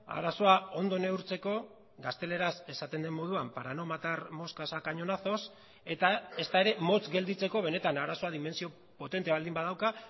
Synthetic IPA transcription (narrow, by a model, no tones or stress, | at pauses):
a̰ɾaso̞ao̞nd̪o̞ne̞uɾt͡se̞ko̞ | ɡast̪e̞le̞ɾase̞sat̪e̞nd̪e̞mːo̞ð̞uampaɾano̞mat̪aɾmo̞skasakaɲo̞naθo̞s | e̞t̪ae̞st̪ae̞ɾe̞mo̞t͡sɡe̞ld̪it͡se̞ko̞β̞e̞ne̞t̪anaɾaso̞aðime̞nsio̞ | po̞t̪e̞nt̪e̞βald̪imbaðawka